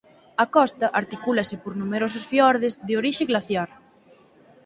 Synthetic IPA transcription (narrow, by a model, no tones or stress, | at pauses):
ɐkɔst̪ɐʔaɾt̪ikulɐsɪpoɾnumeɾosʊsfjɔɾðɪzðɪoɾiʃɪɣlaθjaɾ